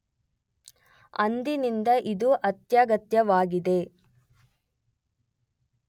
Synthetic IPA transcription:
ɐ̰nd̪inind̪ɐʔid̪uʔɐt̪jaːɡɐt̪jɐʋaːɡid̪e̞

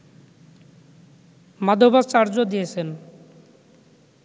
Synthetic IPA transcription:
mad̪ʱobat͡ɕaɾd͡ʑod̪ijet͡ɕʰen

